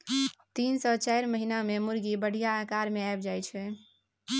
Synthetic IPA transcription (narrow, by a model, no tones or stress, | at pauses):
t̪insɔt͡ʃajɾməɦinamemuɾɡibəɽ̤ʱijaːkaɾmeajbd͡ʒajt͡ʃʰɛ